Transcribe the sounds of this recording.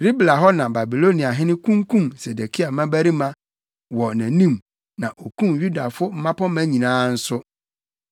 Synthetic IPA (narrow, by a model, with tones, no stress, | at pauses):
ɾi˦bla˨ɦɔ˦nã˨ba˨bi˨lo˦nĩ˨a˨ɦɪ̃˦nɪ̃˦kʰũ˦ŋkʰũ˦˨mse˨de˨kʰi˦a˨mã˦bæ˦ɾi˦mã˦ | wɔ˨næ̃˨nĩ˦m | nã˨ʔo˨kũ˦mju˦da˨fʊ˦m̩˦mã˦pɔ˦mæ̃˦ɲĩ˨nãː˦n̩˦sʊ˦